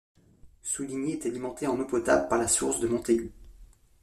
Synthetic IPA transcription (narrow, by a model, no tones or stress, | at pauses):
suliɲeɛt̪alimɑ̃t̪ʰeɑ̃nopɔt̪a̰blpaʁlasuʁsd̪əmɔ̃t̪ej